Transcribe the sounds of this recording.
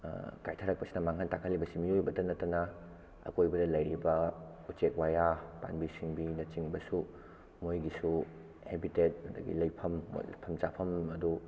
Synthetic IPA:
kajtʰɐɾɐk̚pɐsi̥nɐmaŋɦantakʰɐlːibɐsimijojbɐdɐnɐtːɐnɐ | ɐ̰kojbɐdɐlɐjɾibɐ | ut͡ʃek̚wajapa̰nbisiŋbinɐt͡ʃiŋbɐsu | mojɡisu | hebitet̚mɐdɐ̰ɡḭlɐjpʰɐm̰ːpʰɐmt͡ʃapʰɐmɐdu

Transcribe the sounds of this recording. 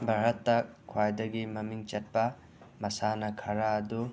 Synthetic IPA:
bʱɐɾɐt̪ːɐkʰwajd̪ɐɡimɐmiŋt͡ʃɐt̚pa | mɐsanɐkʰɐɾaːd̪u

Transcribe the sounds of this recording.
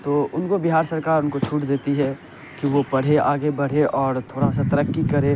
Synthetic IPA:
t̪oːʊnkobɪɦaːɾsɐɾkaːɾʊnkot͡ʃʰuːʈd̪eːt̪iɦɛ | kiʋopɐɽ̤eaːɡebɐɽ̤eʔɔːɾt̪ʰoːɾasat̪ɐɾəkːikɐɾe

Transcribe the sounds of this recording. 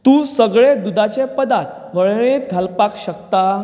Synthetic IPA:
t̪ũːsəɡɭed̪ud̪at͡ɕepəd̪at̪̚ | ʋəɭɳet̪̚ɡʱalpakɕəkt̪a

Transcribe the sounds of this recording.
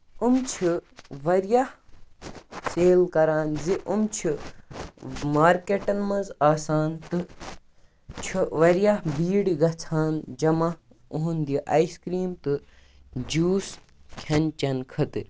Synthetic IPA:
umt͡ʃʰiʋɐɾjah | seːlkɐɾaːnziʔumt͡ʃʰi | maːɾkeʈɐnmɐnzaːsaːnt̪ɨ | t͡ʃʰuʋɐɾjaɦbiːɽiɡɐt͡sʰaːnd͡ʒɐmɐh | uɦund̪iʔɐiskɾiːmt̪ɨ | d͡ʒuːs | kʲʰɐnt͡ʃɐnkʰɐt̪ḭɾ

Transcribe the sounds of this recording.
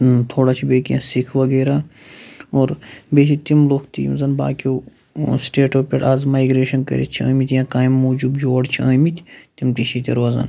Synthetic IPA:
t̪ʰoːɽat͡ʃʰibeːkijã̰ːsikʰʋɐɡeːɾaː | oːɾbeːt͡ʃʰit̪imlokʰt̪ḭmzɐnba̰ːkoː | sʈeːʈoːpʲeʈaːzmaːjɡɾeːʃɐnkɐ̰ɾḛt͡ʃʰiɐ̰ːmit̪ʲjãːkaːimːuːd͡ʒubjoːɽt͡ʃʰiɐːmit̪ʲʰt̪imt̪it͡ʃʰit̪ʲḭɾʋɐzɐ̰n

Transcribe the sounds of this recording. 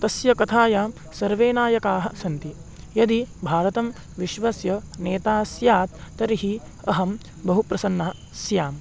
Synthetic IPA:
t̪ɐsjɐkɐt̪ʰaːjaːm | sɐɾʋeːnaːjɐkaːɦɐ̆sɐnt̪i | jɐd̪ibʱaːɾɐt̪ɐm | ʋiʃʋɐsjɐneːt̪aːsjaːt̪̚ːɐɾiɦi | ɐɦɐm | bɐɦupɾɐsɐnːɐɦɐ | sjaːm

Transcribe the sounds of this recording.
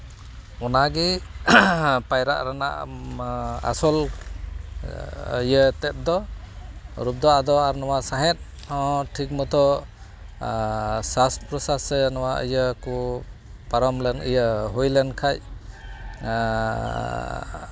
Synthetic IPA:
ɔnaɡi | pajɾa̰ʔɾana̰ʔ | a̰sɔl | ijət̪ɛt̪̚d̪ɔ | ɾup̚d̪ɔʔad̪ɔaɾnɔwasaɦɛt̪̚ | ɔ̃ʈʰik̚mɔt̪ʰɔ | saspɾɔsasenɔwaʔə̰jəku | paɾɔmlɛnḭjəɦujlɛnkʰaj

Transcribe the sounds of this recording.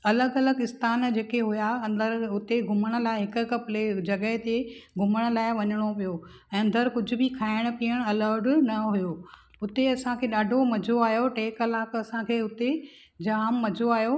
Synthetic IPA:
ɐləɡɐləɡɪst̪aːnd͡ʑeːkeɦʊjaɐ̃nd̪əɾʊt̪eɡʱʊməɽ̃ə̆laːɪɦɪkʊ̆kɐpled͡ʑɐɠəɦɪt̪eɡʱʊməɽ̃ʊ̆laːɪʋɐɲəɽ̃opijo | ɛ̃ːɐ̃nd̪əɾkʊd͡ʑʱʊ̆bɪkʰaːɪɽ̃̆piːəɽ̃ɐləɾɖnɐɦujo | ʊt̪eɐsãkʰeːɗaːɖʱomɐd͡ʑʱoaːjoʈeːkɐlaːkɐsãkʰeːʊt̪e | d͡ʑaːmːɐd͡ʑʱoaːjo

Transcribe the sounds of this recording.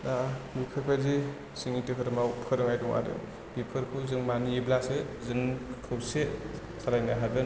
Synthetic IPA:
dabipʰɯɾpʰazi | siŋitɯkʰɯɾɯmawpʰɯɾɯŋajdɔŋa̰dɯ̰ | bipʰɯɾkʰɯzɯŋmaniiblasɯzɯŋkʰɯwse | sʰaɾajnaɦabɯn

